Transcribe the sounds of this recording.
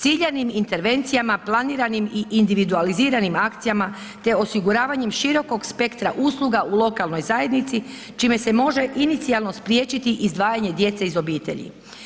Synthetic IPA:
t̪siʎenimint̪e̞ɾʋe̞nt̪sijamaplˠaniːɾanimiʔind̪iʋid̪ualiziːɾanimakt̪sijama | t̪e̞o̞siɡuɾaːʋaɲe̞mʃiɾo̞ko̞ɡspe̞kt̪ɾaʔuːslˠuɡaʔulˠo̞kalˠno̞jzaje̞d̪nit̪si | t͡ʃiːme̞se̞mo̞ʒe̞ʔinit̪sialˠno̞spɾjeːt͡ʃit̪iʔizd̪ʋaːjaɲe̞d̪je̞t̪seizo̞biːt̪e̞̰ʎḭ

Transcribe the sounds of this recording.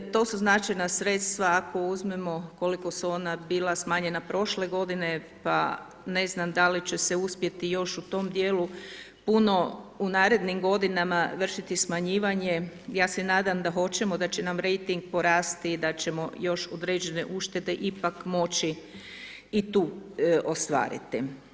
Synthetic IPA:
t̪o̞suznat͡ʃajnasɾet̪st̪ʋaakʰo̞uzmemo̞ko̞liko̞suo̞nabiːlasmaːɲe̞napɾo̞ʃle̞ɡo̞d̪ine̞ | pa | ne̞znamd̪alit͡ɕeseuspje̞t̪ijo̞ʃut̪o̞md̪jeːlu | puno̞unaːɾe̞d̪nimɡo̞d̪inamaʋr̩ʃit̪ismaɲiːʋaɲejaːsenaːd̪amd̪axo̞t͡ɕe̞mo̞d̪at͡ɕenamɾe̞jt̪iŋɡ̚po̞ɾaːst̪id̪at͡ɕe̞mo̞̰jo̞ʃod̪ɾe̞ːd͡ʑe̞ne̞̰ʔuʃt̪e̞d̪e̞ʔipakmo̞t͡ɕiː | t̪uːost̪ʋa̰ːɾḭt̪ḭ

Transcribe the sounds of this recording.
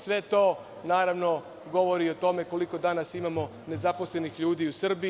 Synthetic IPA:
sʋe̞t̪o̞ː | naːɾaʋno | ɡo̞ʋo̞ɾiot̪o̞me̞ko̞liko̞d̪anasimamo̞ | ne̞zapo̞slˠe̞nixʎuːd̪iusr̩bi

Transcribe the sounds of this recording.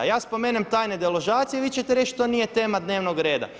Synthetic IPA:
jaːspomeːnemt̪aːjned̪eloʒaːt̪sijeʋit͡ɕet̪eɾet͡ʃt̪onije̞t̪e̞ːmad̪neːʋnoɡɾe̞ːd̪a̰

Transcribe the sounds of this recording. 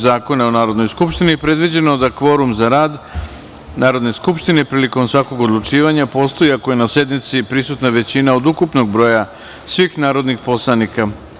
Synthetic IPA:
zaːko̞naonaːɾo̞d̪nojskupʃt̪inipɾe̞d̪ʋid͡ʑe̞no̞d̪akʋo̞ɾumzaɾaːd̪ | naːɾo̞d̪ne̞skupʃt̪inepɾiːliko̞msʋako̞ɡo̞d̪lˠut͡ʃiːʋaɲapo̞st̪o̞iakoje̞nase̞d̪nit̪sipɾisut̪naʋe̞t͡ɕinao̞d̪ukupno̞ɡ̚bɾo̞ːja | sʋixnaːɾo̞d̪nixpo̞slˠanika

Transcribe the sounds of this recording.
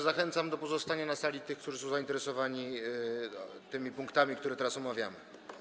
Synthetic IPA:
zaxɛnt̪samd̪ɔpɔzɔst̪aɲanasalʲit̪ɘxkt̪uʐɘsɔ̃w̃zaint̪ɛɾɛsɔvaɲi | t̪ɘmʲipũŋkt̪amʲikt̪uɾɛt̪ɛɾasɔmavʲja̰mɘ

